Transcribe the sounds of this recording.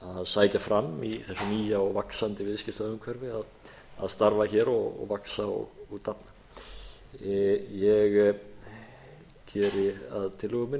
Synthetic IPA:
aðsaːjcafɾamːiθɛsːʏniːjaɔɣvaksant̪ɪvɪðscɪ̥t̪aʏmkʰvœɾvɪað | a̰ðst̪aɾvaçɛːɾɔɣɔ̰ɣvaksaɔ̰ɣuɣt̪ʰapna | jɛɣ | cʰɛːɾɪaðt̪ʰɪlʏːɣʏmɪn

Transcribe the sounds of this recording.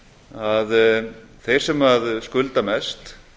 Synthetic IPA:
að | θejr̥sɛmaðskʏlt̪amɛst̪

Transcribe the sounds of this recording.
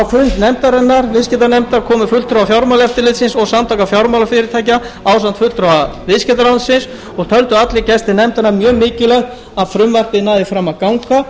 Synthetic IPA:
awfɾʏnt̪nɛmt̪aɾɛnːaɾvɪðscɛt̪anɛmt̪aɾkʰɔːmʏfʏlt̪ɾaafjawɾmawlɛft̪ɪlɪt̪sɪnsɔɣsamt̪ʰakafjɔwɾmawlafɪɾɪɾt̪ʰaːjc̬a | aːws̬ant̪fʏlt̪ɾaavɪscɛt̪aɾlawnsɪns | ɔɣt̪ʰœlt̪ʏat̪lɪcɛst̪ɪnɛmt̪aɾnaɾmjœːɣmɪːcɪlɛxt̪ | aðfɾʏmvar̥pɪnaːjðɪfɾaːmaðkawŋka

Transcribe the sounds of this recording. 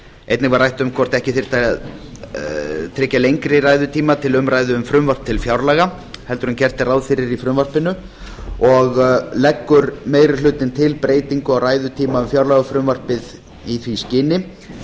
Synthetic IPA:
ejt̪nɪkvaɾrajht̪ʏmkʰvɔr̥t̪ɛhcɪθɪɾ̥t̪aað | t̪ʰɾɪːcːalejŋkɾɪɾaːjðʏt̪ʰiːmat̪ʰɪlʏmɾajðʏʏmfɾʏmvar̥p̚t̪ʰɪlfjawɾlɛːɣa | hɛlt̪ʏɾʏncɛr̥t̪ɪrawðfɪɾɪɾifɾʏmvar̥pɪnʏ | ɔɣlɛkːʏɾmeːjɾɪ̥lʏːt̪ɪnt̪ʰɪlpɾeːjt̪iŋkʏawraːjðʏt̪ʰiːmaʏmfjawɾlaɣafɾʏmvar̥pɪð | iθviscɪːnɪ

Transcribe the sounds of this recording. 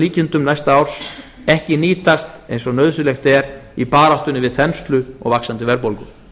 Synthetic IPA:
liːcɪnt̪ʏmnajst̪aawɾ̥s | ɛhcɪniːt̪ast̪ḛjnsɔnœːðsʏlɛxt̪ɛɾipaːɾawht̪ʏnːɪvɪðθɛnst̪lʏɔ̰ɣvaksant̪ɪvɛɾpolkʏ

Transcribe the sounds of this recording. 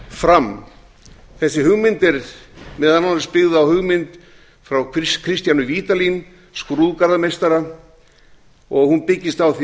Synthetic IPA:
fɾam | θɛsːɪɦʏɣmɪnt̪ɪɾmɛðhananspɪɣðʏawhʏɣmɪnt̪ | fɾawkʰkʰɾɪst̪janʏviːt̪alin | skɾuðkaɾðamejst̪aɾa | ɔɣhunpɪcːɪst̪awθi

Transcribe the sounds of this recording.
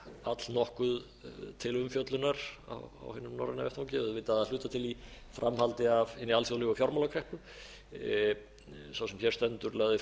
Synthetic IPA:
at̪lnɔhkʏð | t̪ʰɪlʏmfjœt̪lʏnaɾa̰wa̰whɪnːʏmnɔ̰ɾɪna̰vɛht̪ʰawcɪœðvɪt̪aaðl̥ʏːt̪at̪ʰɪlifɾʔamhalt̪ɪavhɪnːialsjowlɪɣafjɔɾmalakʰɾɛhpʏ | sawsɛmçɛɾst̪ɛnt̪ʏɾlaɣðɪ

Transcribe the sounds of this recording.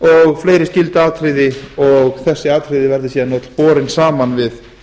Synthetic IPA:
ɔɣfleːjɾɪscɪlt̪aːt̪ʰɾɪðɪɔɣθɛsːɪaːt̪ʰɾɪðɪvɛɾðɪsiːðanːɔt̪lpɔːɾɪnsaːmanvɪð

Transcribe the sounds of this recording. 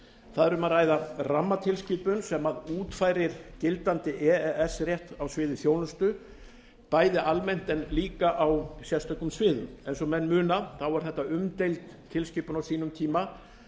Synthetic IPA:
θaðɾʏmaðɾraːjðaramːat̪ʰɪlsciːpʏnsɛmaðuːt̪faːjɾɪɾ̥cɪlt̪ant̪ɪʔɛɛɛsrjɛht̪awsvɪːðɪθjownʏst̪ʏ | paːjðɪʔalmɛn̥t̪ɛnliːkaʔawsjɛst̪ʰœkʏmsvɪːðʏmɛḛjnsɔmɛnmʏːnaθawaɾ̥θɛht̪ːaʏmt̪ejlt̪ʰːɪlsciːpʏnawsiːnʏmt̪ʰiːma

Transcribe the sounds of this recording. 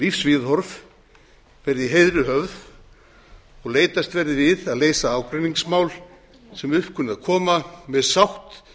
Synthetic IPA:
lifsvɪðhɔɾv | vɛɾðɪɦejðɾʏɦœvð | ɔɣleːjt̪ast̪vɛɾðɪvɪðaðleːjsaaːwkɾʏniŋksmaːwl | sɛmʏhpkʰʏnɪðakʰɔːmamɛðsawht̪

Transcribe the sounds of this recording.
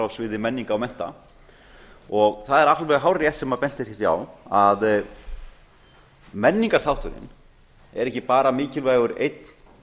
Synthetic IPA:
avsvɪːðɪmɛnːiŋkaːwmɛn̥t̪a̰ | ɔɣθaðɛɾahlvɛɦaːwrjɛt̪sɛmapɛn̥t̪ɪ̥ɛθja̰wað | mɛnːiŋkasθawht̪ʏɾɪ̰n | ɛ̰ɾɛhcɪpaːɾamɪːcɪlvaːjɣʏɾḛjt̪n̥

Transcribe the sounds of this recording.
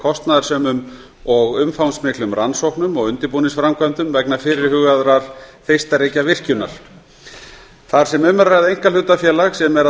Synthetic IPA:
kʰɔst̪naðḁsœːmʏm | ɔɣʏmfawnsmɪklʏmransowhknʏmɔɣʏnt̪ɪɾpuːnɪnsfɾamkʰvœmt̪ʏmvɛknafɪɾɪɾ̥hʏɣaðɾaɾ̥θejst̪aɾejcavɪr̥cʏna̰ɾ̥ | θaɾ̥sɛmʏmːaɾraɣðejŋkalʏt̪afjɛːlaɣsɛmɛɾa

